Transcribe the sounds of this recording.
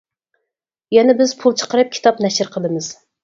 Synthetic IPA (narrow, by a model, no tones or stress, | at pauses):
jɛnɛbɪzpʰulˠt͡ʃʰə̥qəɾɨp̚kʲʰi̥t̪ʰɑpnɛʃɪɾqʰəlˠɨmɨz̥